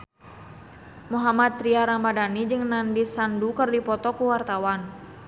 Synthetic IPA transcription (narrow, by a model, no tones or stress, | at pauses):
muɦamat̪ːɾiaɾambadanid͡ʒɨŋnandisandukərdipɔt̪ɔkuwart̪awan